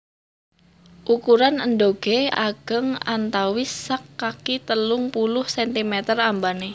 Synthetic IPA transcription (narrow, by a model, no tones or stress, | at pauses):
ʔukuɾanəndoɡ̥eaɡ̥əŋa̰nt̪awɪsːakːakit̪əlʊŋpulʊhsɛnt̪imɛt̪ərambane